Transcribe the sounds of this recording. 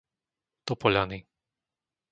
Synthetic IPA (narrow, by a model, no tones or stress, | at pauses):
t̪ɔpɔʎani